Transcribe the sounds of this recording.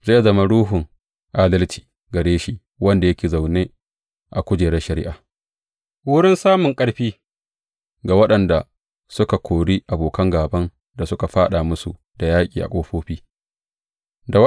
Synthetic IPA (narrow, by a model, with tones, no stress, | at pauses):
zeː˦˨zɐ˦ma˦ɽuː˦ɦʊ˨ŋ | ʔaː˦dɐ˦lt͡ʃi̥ː˨ | ɡɐ˨ɽeː˦ʃi˦ | wɐ˦nda˨jɐ˦kʲeː˨za˨wneː˦ | ʔa˨kʷʊ˦d͡ʒeː˨ɾɛ˦ʃɐ˨ɾɪ̰˦ʔaː˨ | wʊ˦ɽɪ˦nsaː˦mʊ˨ŋkʼɐ˦ɽɸiː˦ | ɡa˨wɐ˦ɗɐ˨nda˨ | sʊ˦ka˨kʰʷoː˨ɽiː˦ʔa˨boː˨kɐ˦ŋɡaː˨bɐ˦n | da˨sʊ˦ka˨ɸaː˦ɗa˨mʊ˦su˨ | d̥a˨jaː˦kʲʼiː˨ʔa̰˨kʷʼoː˦ɸoː˦ɸiː˦ | da˨w